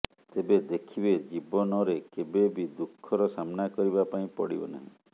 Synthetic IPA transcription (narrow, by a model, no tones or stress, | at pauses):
t̪ebed̪ekʰibed͡ʒibɔnɔɾekebebid̪ukʰːɔɾɔsamnakɔɾibapaĩpɔɽḭbɔna̰ɦḭ̃